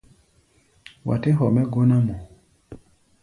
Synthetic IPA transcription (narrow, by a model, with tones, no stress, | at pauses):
wa̰˨te˦ɦɔ˨mɛ˦ɡo˦na˦mɔ˨